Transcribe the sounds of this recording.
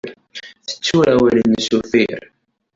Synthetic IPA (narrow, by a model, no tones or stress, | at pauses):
θə̥t͡sːuɾæwælənːsuθḭɾ